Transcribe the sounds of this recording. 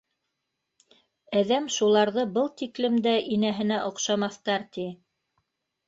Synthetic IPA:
æðæmʃulˠɑɾðɤbɤlˠt̪iklɘ̆md̪æʔinæɦɘ̆næʔŏqʃɑmɑθt̪ɑɾt̪i

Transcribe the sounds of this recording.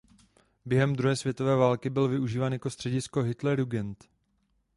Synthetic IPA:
bjɛɦɛmd̪ɾuɦɛːsvjɛt̪o̞vɛːvaːlkɪbɪlvɪuʒiːvaːnjako̞st̪r̥ɛɟɪsko̞ɦɪt̪lɛɾuɡɛnt̪

